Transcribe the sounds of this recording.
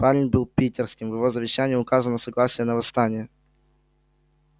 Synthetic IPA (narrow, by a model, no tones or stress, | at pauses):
palʲɪnʲbɨlˠpʲitʲɪrskʲɪmvjɪvo̞zəvʲɪɕːænʲɪjʊkazənəsɐɡlˠasʲɪjənəvɐst̪anʲɪjə